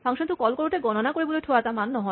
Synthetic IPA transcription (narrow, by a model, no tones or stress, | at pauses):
faŋʃont̪ukɔlkɔloʈeɡɔnonakoɾeboleʈʰoat̪amanːɔɦɔ